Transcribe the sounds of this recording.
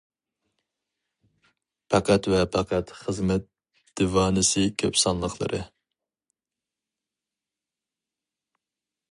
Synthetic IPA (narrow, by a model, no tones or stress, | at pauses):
pʰɑqʰæt̪vɛpʰɑqʰæt̪χəzmɛt̪̚ | d̪̥ɪvɑːnɨsɨkʲʰøpsɑnlˠəqlˠə̰ɾʔɨ